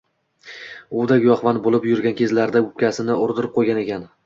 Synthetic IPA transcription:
ʊd̪aɡʲjɒχvanbolˠɪpjʊɾɡʲankʲʰe̞zlaɾd̪aʊp̚kʲasɪnɪʊɾd̪ɪɾɪp̚qʰojɡʲane̞kʲan

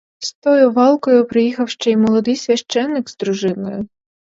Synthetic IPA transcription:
st̪ɔjʊʋɑlˠkɔjʊpɾɪjixɐwʃt͡ʃɛjimɔlˠɔd̪ɪjsʲʋʲɐʃt͡ʃɛnːɪɡzd̪ɾʊʒɪnɔjʊ

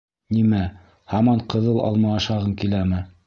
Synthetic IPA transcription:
nimæ | hɑmɑɴqɤ̆ðɤlˠʔɑ̰lˠmɑɑʃɑʁɤŋkilæmɘ

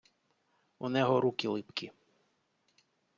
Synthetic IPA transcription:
unɛɦɔɾukilˠɪpkʲi

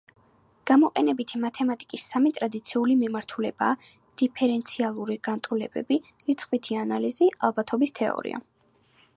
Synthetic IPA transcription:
ɡ̥amɔqʼɛnɛbit̪ʰimat̪ʰɛmat̪ʼi̥kʼisːamit̪ʼɾad̪it̪sʰiulimimaɾt̪ʰulɛbaː | d̪̥ipʰɛɾɛnt̪sʰialˠuɾiɡant̪ʼulɛbɛ̰biɾit̪sʰʼχʼwit̪ʰianaliziʔalˠbat̪ʰɔbist̪ʰɛɔ̰ɾḭa̰

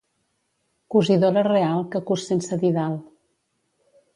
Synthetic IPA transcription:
kuziðoɾərealˠkəkusensəðiðalˠ

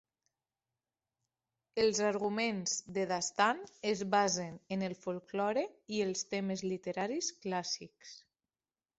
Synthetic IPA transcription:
elˠzaɾɣumenzðeðast̪anezβazenenelˠfolˠklɔɾeielˠst̪eməzlit̪eɾaɾisklasiks

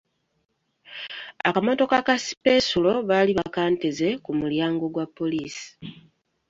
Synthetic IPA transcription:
a̰kamo̞to̞kakasi̥pe̞sulo̞βaːliβakaːnteze̞kumuljaːŋɡo̞ɡwapːo̞liːsi̥

